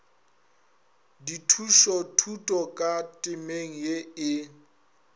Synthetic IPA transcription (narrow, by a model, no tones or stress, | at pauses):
ditʰuʃɔtʰutʼɔkʼatʼɪmeŋ̩jeɪ